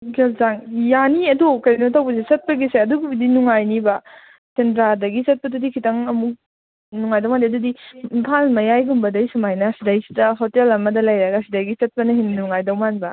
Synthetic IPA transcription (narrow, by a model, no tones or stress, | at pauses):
ɡelzaŋjaniɐdokɐjnotʰawbɐs̬esɐt̚pɐɡiseɐduɡibidinuŋajnibɐ | tendɾadɐɡisɐt̚pɐtudikʰitɐŋɐmuk̚ | nuŋajdawmandiɐdudiimpʰalmɐjajɡumbɐdɐjsɐmajnɐsidajsi̥tɐɦotelɐmɐdɐlajɾaɡasidajɡisɐt̚pɐnɐɦinnːuŋajdɐwmanbɐ